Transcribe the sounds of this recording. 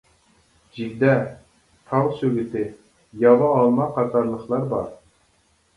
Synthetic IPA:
d͡ʒiɡʲd̪ɛ | t̪ʰɑwsøɡʲit̪ɪ | jɑvɑːlˠmɑqʰɑt̪ʰɑɾlˠəχlˠɑɾbɑ̰ɾ

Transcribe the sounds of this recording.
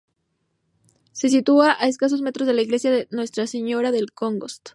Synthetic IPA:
se̞s̬it̪uaʔae̞s̬kas̬o̞zme̞t̪ɾo̞zðe̞laiɣle̞sjaðenwe̞st̪ɾase̞ɲo̞ɾaðe̞lkoŋɡo̞st̪

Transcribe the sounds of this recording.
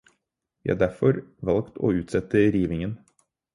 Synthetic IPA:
jæhɑɖ̪æɾfɔɾʋɑlkt̪ʰo̰ːʉːt̪sɛt̪əɾiːʋɪŋən

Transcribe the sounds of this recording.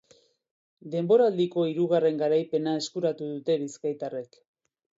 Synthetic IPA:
d̪e̞mbo̞ɾald̪iko̞iɾuɣ̞are̞ŋɡaɾajpe̞nae̞skuɾat̪uðut̪e̞βiskajt̪are̞k

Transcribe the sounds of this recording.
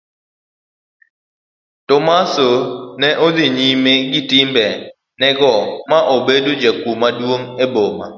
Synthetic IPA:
tɔmasonɛʔodɪɲimeɡɪtɪmbɛ | nɛɡɔmaʔobedod͡ʒakumadwoŋeboma̰

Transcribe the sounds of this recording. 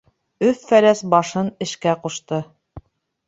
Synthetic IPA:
ɵθfælæsbɑʃɤnɘ̆ʃkæquʃt̪ɤ

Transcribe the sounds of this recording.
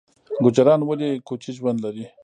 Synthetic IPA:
ɡʊd͡ʒaɾɑnwalikot͡ʃiʒwand̪laɾi

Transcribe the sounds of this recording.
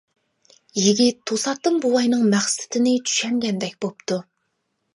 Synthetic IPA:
jiɡʲit̪ʰːosɑt̪ːɨmbuwɑjnɨŋmæχsɪ̥t̪ʰɪnɪt͡ʃ̪ʰy̥ʃɛŋɡʲɛnd̪ɛk̚ʲbopt̪ʰu

